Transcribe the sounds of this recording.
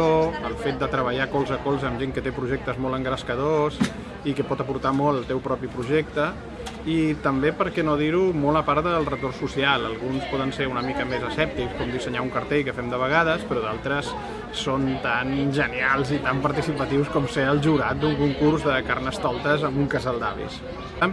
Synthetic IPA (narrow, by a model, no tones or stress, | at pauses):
oəlˠfet̪̚d̪ət̪ɾəβəʎakɔlˠzəkɔlˠzəmʒeŋkət̪epɾuʒɛk̚t̪əzmɔlˠəŋɡɾəskəðos | ikəpɔt̪əpuɾt̪amɔlˠəlˠt̪ɛwpɾɔpipɾuʒɛk̚t̪ə | it̪əmbepəɾkɛnoðiɾumɔləpaɾt̪d̪əlˠrət̪orsusialˠəlˠɣunspɔðənseɾunəmikəmezəsɛp̚t̪ikskɔmd̪isəɲauŋkəɾt̪ejkəfɛmd̪əβəɣað̞əspəɾɔðalˠt̪ɾəsː | ont̪anʒənialˠzit̪ampəɾt̪isipət̪iwskɔmseəlˠʒuɾat̪̚d̪uŋkuŋkurzðəkarnəst̪ɔlˠt̪əzəmbuŋkəzalˠd̪aβḭs